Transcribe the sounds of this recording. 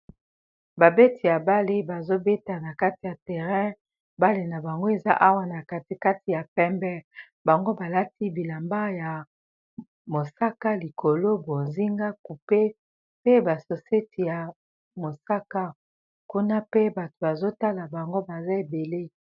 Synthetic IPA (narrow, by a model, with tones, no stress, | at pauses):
ba˨be˦ti˨ja˨ba˦le˦ba˨zo˦be˦ta˨na˨ka˦ti˨ja˨tɛ˨ʁɛ̃˦ | ba˦le˨na˨ba˨ŋɡo˦e˨za̰˦ʔa˦wa˨na˨ka˦ti˨ka˦ti˨ja˨pɛ˦mbɛ˦ | ba˨ŋɡo˦ba˨la˦ti˦bi˨la˨mba˦ja˨ | mo˨sa˦ka˦li˨kʰo˨lo˦bo˨nzi˦ŋɡa˦ku˨pe˦ | pe˦ba˨so˨se˦tʰi˨ja˨ | mo˨sa˦ka˦ | ku˦na˦pe˦ba˨to̥˨ba˨zo˦ta˦la˨ba˨ŋɡo˦ba˨za˦e˨be˨le˦